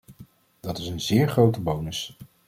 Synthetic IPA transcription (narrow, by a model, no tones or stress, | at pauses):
d̥ɑtɪsənzɪːɹχrowtəbownəs